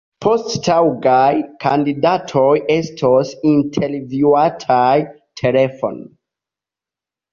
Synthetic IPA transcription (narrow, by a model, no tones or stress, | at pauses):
pʰosttʰawɡajkʰandidatʰoje̞stʰosintʰe̞lvjuatʰaj | tʰe̞lefo̰n